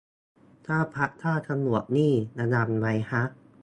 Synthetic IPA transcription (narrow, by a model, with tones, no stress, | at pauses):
t̪ʰaː˥˩pʰa˦˥ʔt̪ʰaː˥˩t̪ʰa˧mnu˨˩ək̚niː˥˩na˧na˧nma˨˦jha˦˥ʔ̚